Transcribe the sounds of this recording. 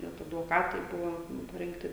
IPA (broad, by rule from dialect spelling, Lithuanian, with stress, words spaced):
ˈnʲɛt ɐdʋoːˈkɑːtɐɪ ˈbʊʋoː pɐrʲɪŋkˈtʲɪ